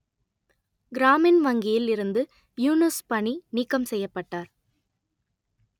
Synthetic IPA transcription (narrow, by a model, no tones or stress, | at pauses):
ɡɪɾaːmɪnʋɐŋɡɪjɪlɪɾɯnd̪ɯ | juːnɯspɐɳiniːkːɐmsɛjːɐpːɐʈːaːɾ